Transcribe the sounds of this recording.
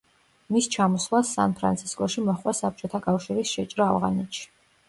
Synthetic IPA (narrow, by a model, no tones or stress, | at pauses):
mist͡ʃʰamɔslˠasːa̰npʰɾa̰nt̪sʰi̥skʼɔʃimɔχwasap̚t͡ʃʼɔt̪ʰakʼafʃiɾisʃɛt͡ʃʼɾaːvʁa̰nɛt̪ʃi̥